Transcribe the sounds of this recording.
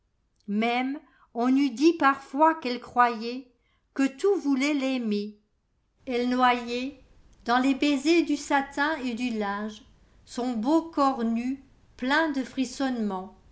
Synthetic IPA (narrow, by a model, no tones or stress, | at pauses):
mɛm | ɔ̃nyd̪ipaʁfwakɛlkχwajɛ | kət̪uvulɛlɛme | ɛlnwajɛ | d̪ɑ̃lebezed̪ysat̪ɛ̃ed̪ylɛ̃ʒ | sɔ̃bokɔʁny | plɛ̃d̪əfχisɔnmɑ̃